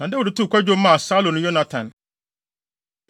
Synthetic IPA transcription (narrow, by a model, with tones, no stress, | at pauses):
nã˨˦dɛ˦wɔ˨dɪ˨tʰu˦˨kʷʰa˦d͡ʑᶣo˦mã˦˨saː˦lõ˨nʊ̃˨˦jɔ˦nã˨tʰã˨n